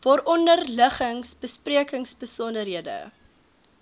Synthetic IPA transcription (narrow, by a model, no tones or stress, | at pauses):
vɔɾɔndərləχəŋsb̥əspriəkəŋsbəsɔndərɦiədə̰